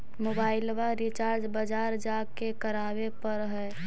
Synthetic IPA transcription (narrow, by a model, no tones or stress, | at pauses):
mobaːɪlʋaɾit͡ʃaːɾd͡ʒbəd͡ʒaːɾd͡ʒakekəɾaːwepəɾɦɛː